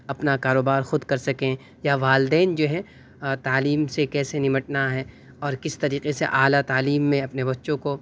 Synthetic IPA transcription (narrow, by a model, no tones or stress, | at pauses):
ɐpnakaːɾoːbaːɾxʊd̪kɐɾsɐkẽ | jaʋaːld̪ɛːnd͡ʒoːɦɛ | t̪aːliːmsekɛːsenɪməʈnaɦɛː | ɔːɾkɪst̪ɐɾiːqesḛʔaːlat̪aːliːmːẽɐpnebɐtːʃõko